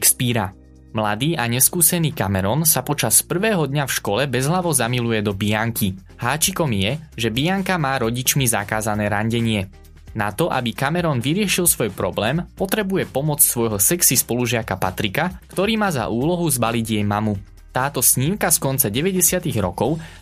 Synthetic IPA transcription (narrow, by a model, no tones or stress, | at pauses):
kspiːɾa | mlad̪iːʔaɲɛskuːsɛniːkamɛɾɔnsapɔt͡ʃaspr̩ʋɛːɦɔd̪ɲafʃkɔlɛbɛzɦlaʋɔzamilujɛd̪ɔbijaŋki | haːt͡ʃikɔmjɛʒɛbijaŋkamaːɾɔɟit͡ʃmiza̰kaːzanɛːɾaɲɟɛɲɪɛ | na̰t̪ɔʔa̰bikamɛɾɔːnʋiɾɪɛʃilˠsʋɔjpɾɔblɛːmpɔt̪ɾɛbujɛpɔmɔt͡ssʋɔjɦɔsɛksispɔluʒɪakapa̰t̪ɾikakt̪ɔɾiːmaːza̰ʔuːlɔɦuzbaliɟjɛjmamu | t̪aːt̪ɔsɲimkaskɔnt͡saɟɛʋɛɟɛsɪat̪iɣɾɔkɔʊ